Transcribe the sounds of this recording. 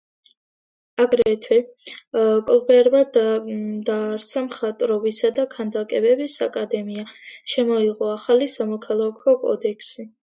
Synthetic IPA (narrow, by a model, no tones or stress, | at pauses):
aɡɾɛt̪ʰwɛ | kʼɔlˠbɛɾba | d̪aːɾt̪sʰamχat̪ʼɾɔbisad̪akʰand̪akʼɛbɛbisa̰kʼad̪ɛmiaʃɛmɔiʁɔaχalisamɔkʰalˠakʰɔkʼɔ̰d̪ɛkʰsi